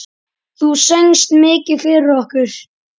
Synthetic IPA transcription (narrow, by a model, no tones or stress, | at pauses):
θusœŋst̪mɪːcɪfɪɾɔhkʏɾ̥